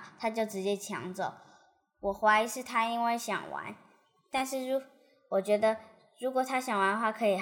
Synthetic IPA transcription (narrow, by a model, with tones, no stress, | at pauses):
t̪ʰa˥t͡ɕjo˥˩ʊʈ͡ʂɻ̩˧˥t͡ɕjɛ˥˩t͡ɕʰjɑ̰˧˥ŋt͡sə˥˩ | wɔ˨˩xwa˧˥ɪi˧˥ʂɻ̩˥˩t̪ʰa˥i˥nwe˥˩ɪɕjɑ̰˨˩ŋwa̰˧˥n | t̪a˥˧nʂɻ̩˥˩ɻu˧˥ | wɔ˨˩t͡ɕɥɛ˧˥d̪ə˧ | ɻu˧˥kwɔ˨˩t̪ʰa˥ɕjɑ˨˩ŋwa˧˥nə˧xwa˥˩kʰɤ˧˥i˨˩